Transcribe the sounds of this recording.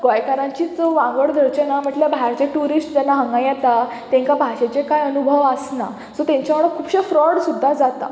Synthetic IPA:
ɡajkaɾãɲt͡ɕiːd͡zɔʋãŋɡəɭd̪ʱəɾt͡ɕenam̤əʈləbʱaɾt͡ɕeʈuɾisʈd͡ʑanːaɦəŋɡajɛt̪a | t̪ɛ̃ŋkabʱaɕet͡ɕekajənubʱəʋəsna̰ | d͡zɔt̪ɛ̃ɲt͡ɕaməɭəkʰuːbɕefɾɔɽsud̪ʱːad͡zat̪a̰

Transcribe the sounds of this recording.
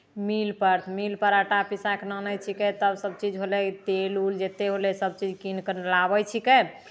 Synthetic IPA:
milpəɾt̪ʰmilpəɾəʈapisaknənəjt͡ʃʰikɛt̪əbsəb̚t͡ʃid͡ʒɦolɛt̪eluld͡ʒet̪eɦolɛsəbt͡ʃid͡ʒkinkənlabəjt͡ʃʰikɛ

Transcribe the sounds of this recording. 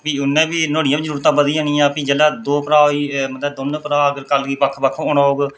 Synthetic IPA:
piːʊnːẽːbiːnoːɽijãːbiːzəɾuːɾt̪ãːbəd̪iːõːɳĩːãːpĩːd͡ʒɛːlaːd̪oːpəɾaːɦoːiːmət̪ləːbd̪ʊnpɾaːəɡəɾkəlɡiːpəkʰbəkʰoːnaːoːɡ

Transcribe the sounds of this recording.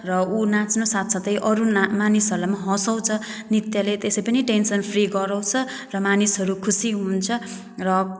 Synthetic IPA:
rʌunãt͡snosat̪ʰsʰʌt̪ʌjʔʌɾumanisɦʌɾlamaɦʌ̃sʌw̃t͡sʰʌ | nit̪jalet̪esʌjpʌniʈensʌnpʰriɡʌɾʌw̃t͡sʰʌ | rʌmanisɦʌɾukʰusiɦunt͡sʰʌ | rʌ

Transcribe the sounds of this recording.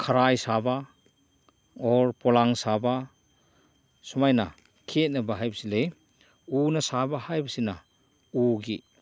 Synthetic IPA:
kʰaɾajsaba | ɔɾpɔlaŋsaba | sumajna | kʰet̚nɐbaɦajbɐsilej | unɐsabaɦajbɐsina | uɡḭ

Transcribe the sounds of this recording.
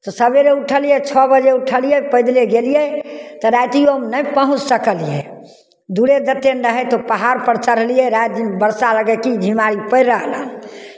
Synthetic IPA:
t̪ɔsəbeɾeuʈʰəlijɛt͡ʃʰɔbəd͡ʒeuʈʰəlijɛpəɪd̪leɡelijɛt̪ɔɾajt̪ijomnəjpəɦũt͡ʃsəkəlijɛ̰ | d̪uɽed̪ət̪ːenɾəɦɛt̪opəɦaɾpəɾt͡ʃəɾɦəlijɛɾad͡ʒnbəɾsaləɡəkid͡ʒʱimaɾipəɪɾəɦlal

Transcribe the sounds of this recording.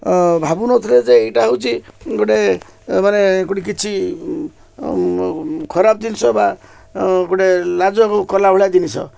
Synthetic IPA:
bʱabunɔt̪ʰled͡ʒeejʈaɦəwt͡ʃʰiɡoʈe | manekɔɽik̬it͡ʃʰi | kʰɔɾab̚d̪inisɔba | ɡoɽelad͡ʒɔkokɔlabuɭad̪inisʰɔ̰

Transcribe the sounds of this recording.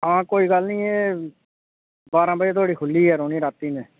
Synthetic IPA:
ãːkoːiːɡəlnĩːeː | baːɾãːbiaːt̪ʰaːɽiːkʰʊlːiːɦɛːɾoːniːɾaːt̪ːiːnẽː

